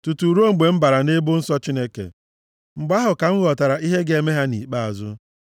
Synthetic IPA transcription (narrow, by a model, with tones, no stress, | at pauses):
tu˨tu˨ɾo˦ŋ͡m̩˨ɡ͡be˨m̩˦ba˨ɾa˨ne˦bʊ˦n̩˦sɔ˦t͡ʃi˦ne˦kḛ˨ | ŋ͡m̩˨ɡ͡ba˦ɦʊ˨ka˨ŋ̩˦ɣɔ˨ta˨ɾa˨i˦ɦe˦ɡe˦˨me˦ɦa˦ni˨k͡pa˦a˨zʊ̰˦